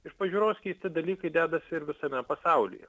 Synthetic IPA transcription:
ɪʃpɐʒʲuːɾoːsʲkʲiːsʲt̪ʲɪd̪ɐlʲiːkɐɪd̪ʲæːd̪ɐsʲɪɪɾʋʲɪsɐmʲɛpɐsɑʊlʲɪ̰jɛ̰

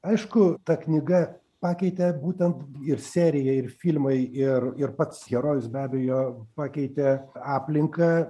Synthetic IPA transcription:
ɐɪʃkʊt̪ɐknʲɪɡɐ | pɑːkʲɛɪt̪ʲɛbuːt̪ʲɛnt̪ɪrsʲæːɾʲɪjɛɪrfʲilʲmɐɪɪrɪrpɐt̪sɣʲɛɾoːjʊsbʲæːbʲɛjoːpɑːkʲɛɪt̪ʲɛɑːpʲlʲɪŋkɐː

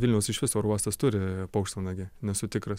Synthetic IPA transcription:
ʋʲɪlʲnʲɛʊsɪʃʲʋʲɪsoːɾɑːst̪ɐst̪ʊɾʲɪpɐʊkʃt̪oːnɐɡʲɪnʲɛsʊt̪ʲɪkɾɐs

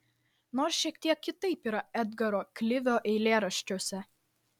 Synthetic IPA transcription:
noːɾsʃʲiɛkt̪ʲiɛkːʲɪt̪ɐɪpiːɾɐɛd̪ɡɐɾoːklʲɪʋʲoːʔɛɪlʲeːɾɐʃʲt͡ʃʲoɔsʲɛ

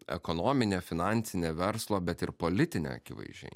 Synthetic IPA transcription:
ɛ̰kɔnoːmʲɪnʲeːfʲɪnɑnʲt̪sʲɪnʲeːʋʲɛɾslˠoːbʲɛt̪ɪɾpolʲɪt̪ʲɪnʲḛːɐ̰kʲɪʋɐ̰ɪʒʲɛ̰ɪ

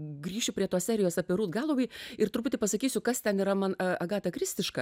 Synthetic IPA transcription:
ɡrʲiːʃʲʊpɾʲiɛt̪oːsʲæːɾʲɪjoːsɑpʲiɛɾuːt̪ɡɑːlˠoʋɐɪɪrt̪ʊɾpʊt̪ʲɪpɐsɐkʲiːsʲʊkɐst̪ʲɛniːɾɐmɐnɐɐɡɑːt̪ʲɐkɾʲɪsʲt̪ʲɪʃkɐ

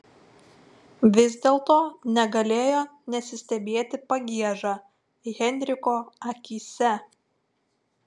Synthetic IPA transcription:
ʋʲɪzʲd̪ʲeːlˠt̪oːnʲɛɡɐlʲeːjoːnʲɛsʲɪsʲt̪ʲɛbʲeːt̪ʲɪpɐɡʲiɛʒɑː | ɣʲɛnʲɾʲɪkoːɐkʲiːsʲɛ

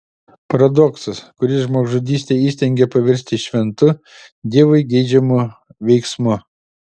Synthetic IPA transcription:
pɐɾɐd̪ɔksɐskʊɾʲɪsʒmoːɡʒʊd̪ʲiːsʲt̪ʲɛiːsʲt̪ʲɛŋʲɡʲɛpɐʋʲɛɾʲsʲt̪ʲɪʃʲʋʲɛnt̪ʊ | d̪ʲiɛːʋɐɪɡʲɛɪd͡ʒʲɛmʊ | ʋʲɛɪksmʊ

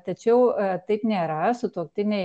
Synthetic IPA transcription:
t̪ɐt͡ʃʲɛʊt̪ɐɪpnʲeːɾɐsʊt̪uɔkt̪ʲɪnʲɛɪ

